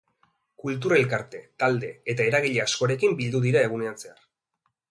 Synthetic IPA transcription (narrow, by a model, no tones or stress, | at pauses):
kult̪̬uɾe̞lkaɾt̪e̞t̪ald̪e̞et̪ae̞ɾaɣ̞iʎeasko̞aɾe̞kimbild̪uðiɾae̞ɣ̞une̞anse̞ar